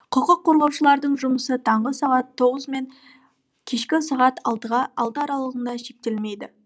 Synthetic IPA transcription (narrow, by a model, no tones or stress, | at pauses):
qʰəqəqʰːoɾʁɑwʃəlˠɑɾd̪əɴʒʊməsət̪ʰɑɴʁəsɑʁɑt̪ʰːo̞ʁəzme̞ŋ | kʲʰe̞ʃkʲɪsɑʁɑt̪ʰɑlˠt̪əʁɑɑlˠt̪əɑɾɑlˠəʁəɴd̪ɑʃe̞k̚t̪e̞lme̞jd̪ɪ